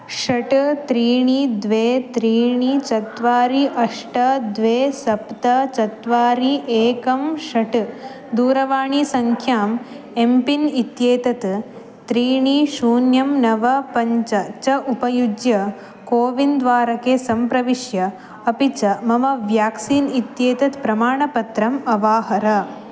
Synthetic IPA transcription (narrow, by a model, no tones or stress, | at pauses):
ʃɐʈt̪ɾiːɳid̪ʋeːt̪ɾiːɳit͡ʃɐt̪ʋaːɾiʔɐʂʈɐd̪ʋeːsɐpt̪ɐt͡ʃɐt̪ʋaːɾiʔeːkɐmʃɐʈ | d̪uːɾɐʋaːɳisɐŋkʰjaːm | empinit̪jeːt̪ɐt̪ | t̪ɾiːɳiʃuːnjɐmnɐʋɐpɐɲt͡ʃɐt͡ʃɐʔupɐjud͡ʒjɐ | koːʋind̪ʋaːɾɐkeːsɐmpɾɐʋiʃjɐ | ɐpit͡ʃɐmɐmɐʋjaːksiːnit̪jeːt̪ɐt̪pɾɐmaːɳɐpɐt̪ɾɐmɐʋaːɦɐɾɐ